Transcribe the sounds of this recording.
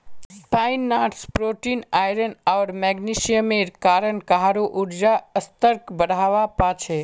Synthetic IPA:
spaɪnːaːʈspɾoːʈiːnaːjɾənaːɾmɛːɡniʃijəmeɾkaːɾənkaɦaɾoʔʊɾd͡ʒaəst̪əɾkbəɽʱaːʋapat͡ʃʰe

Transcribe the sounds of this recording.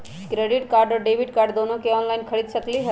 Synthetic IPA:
kɾeɖiʈkaːɾɖɔɾɖeːʋiɖkaːɾɖd̪onokeɔːnlaɪnkʰəɽid̪səkliɦə

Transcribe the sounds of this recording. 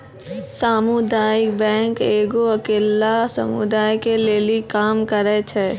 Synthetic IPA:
saːmʊd̪aːjɪkbɛ̃ːŋkeːɡoɐkeːlasɐ̰mʊ̰d̪aːjkeleːlikaːmkəɾɛt͡ʃʰɛː

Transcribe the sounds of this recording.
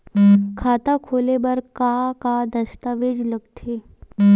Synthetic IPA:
kʰat̪akʰolebəɾkakad̪əst̪aʋed͡ʒləɡ̚t̪ʰe

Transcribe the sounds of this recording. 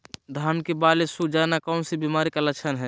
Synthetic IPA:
d̪ʱaːnkebalesud͡ʒanakɔːnsibimaːɾikalət͡ʃʰənɦɛ

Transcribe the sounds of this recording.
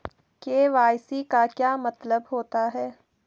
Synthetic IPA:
keːʋaːjsikakjaːmɐt̪ləbɦoːt̪aɦɛː

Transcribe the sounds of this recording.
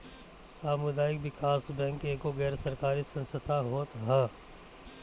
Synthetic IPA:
saːmʊd̪aːɪkʋɪkaːsbɛ̃ːŋkeːkoɣɛːɾsɐɾkaːɾisɐ̃nsət̪ʰaɦoːt̪ɦɛ

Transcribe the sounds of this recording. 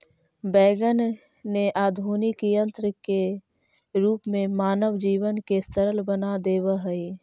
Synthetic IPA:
bɛːɡənː | eʔaːd̪ʱuːnɪkijə̃nt̪ɾəke | ɾuːpmẽmaːnəʋd͡ʒiːʋənkesəɾəlbənad̪eːwəɦəi

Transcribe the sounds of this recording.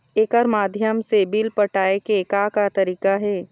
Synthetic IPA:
eːkəɾmaːd̪ʱjəmsebilpəʈaːekekakat̪ɐɾiːkaɦɛː

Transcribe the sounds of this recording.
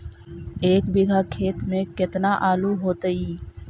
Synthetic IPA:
eːkbɪɡʱaːkʰeːt̪mẽkɪt̪naʔaːluɦoːt̪əiː

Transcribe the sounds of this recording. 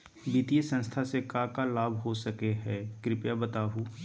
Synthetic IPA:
biːt̪ijesə̃nst̪ʰasekakalaːbʱɦosəkeɦɛːkɾɪpjabət̪aːɦu

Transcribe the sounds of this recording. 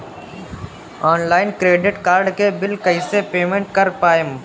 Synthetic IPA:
ɔːnlaːɪnkɾeːɖɪʈkaːɾɖkebɪlkəɪsepeːmẽɳʈ̚kɐɾpaːɪm

